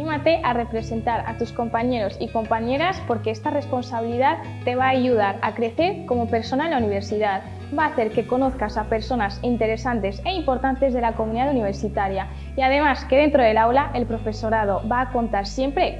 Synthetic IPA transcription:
nimat̪e̞ʔare̞pɾe̞se̞nt̪aɾa̰t̪usko̞mpaɲe̞ɾo̞siko̞mpaɲe̞ɾaspo̞ɾke̞est̪are̞spo̞nsaβiliðað | t̪e̞β̞aːʝuð̞aɾakɾe̞θe̞ɾko̞mo̞pe̞ɾso̞naelauniβ̞e̞ɾsiðað | baːθe̞ɾke̞ko̞no̞θkasape̞ɾso̞nasint̪e̞ɾe̞sant̪e̞se̞impo̞ɾt̪ant̪e̞zðe̞lako̞mũniðaðuniβ̞e̞ɾsit̪aɾja | iað̞e̞maske̞ð̞e̞nt̪ɾo̞ðe̞lawlaʔe̞lpɾo̞fe̞so̞ɾað̞o̞βaːko̞nt̪aɾsje̞mpɾe̞

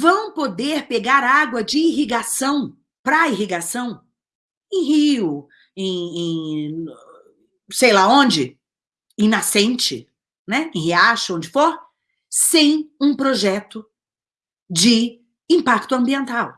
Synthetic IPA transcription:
vɐ̃w̃pod̪eɾpeɡaɾaɡwɐd͡ʒɪːɦiɡasɐ̃w̃ | pɾɐiɦiɡasɐ̃w̃ | ẽj̃ɦiʊ | ẽj̃ẽ | sejlaõd͡ʒɪ | ĩnasẽnt͡ʃɪ̰ | nɛẽhiaʃɐõnd͡ʒɪfoɾ | sẽj̃ũpɾoʒɛt̪ʊ | d͡ʒɪ | ĩmpakt̪ʊɐ̃mbiẽnt̪aw

